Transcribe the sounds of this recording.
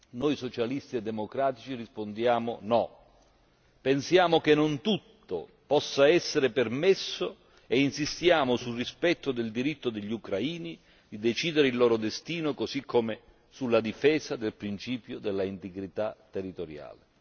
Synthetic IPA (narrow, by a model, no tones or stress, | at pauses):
nojsot͡ʃalist̪iɛd̪ːɛmokɾaːt̪it͡ʃirispond̪jaːmʊ̰nɔ | pensjaːmʊk̟enːont̪ut̪ːo̰ | pɔsːaɛsːeɾɪpermesːo | einsist̪jaːmʊsulrispɛt̪ːʊd̪eld̪iɾit̪ːʊd̪eʎːiukɾaiːni | d̪id̪ɛt͡ʃiːd̪eɾɪilːɔːɾʊd̪est̪iːnʊkosikʰːomɪ | sulːad̪ifɛːsad̪elpɾint͡ʃiːpjʊd̪elːaint̪eɡɾit̪at̪ːerːit̪oɾja̰ːlɪ